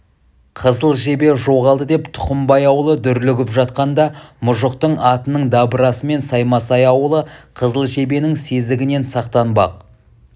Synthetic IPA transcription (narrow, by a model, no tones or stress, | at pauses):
qʰəzəlˠʒe̞be̞ʒo̞ʁɑlˠd̪əd̪e̞pt̪ʰʊ̥qəmbɑjɑwəlˠəd̪ʏɾlɪɡʲɪpʒɑt̪̚qɑnd̪ɑmʊʒəq̚t̪əɴɑt̪ənəɴd̪ɑbəɾɑsəme̞nsɑjmɑsɑjɑwəlˠəqʰəzəlˠʒe̞be̞nɪŋse̞zɪɡʲɪne̞nsɑqt̪ɑnbɑ̰q̚